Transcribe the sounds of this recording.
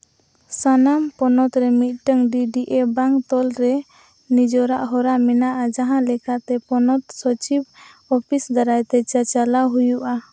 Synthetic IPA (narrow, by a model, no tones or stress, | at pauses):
sanampɔnɔt̪ɾɛmit̪̚ˀʈəŋɖiɖiʔebaŋt̪ɔlɾɛ | nid͡ʒɔɾaʔɦɔɾamɛnaʔad͡ʒaɦãlɛkat̪ɛpɔnɔt̪sɔt͡ʃib | ɔpʰisd̪aɾajt̪ɛt͡ʃat͡ʃalawɦujuʔa